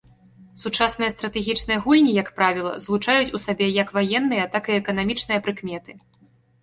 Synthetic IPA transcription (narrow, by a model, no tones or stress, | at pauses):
sut͡ʂasn̪ɨjɐst̪ɾɐt̪ɛɣʲit͡ʂnɨjɐɣulʲnʲijɐkpɾavʲilˠɐ̰zlˠut͡ʂajut͡sʲusabʲɛjɐkvajɛnːɨjɐt̪akɨɛkɐnamʲit͡ʂn̪ɨjɐpɾɨkmʲɛt̪ɨ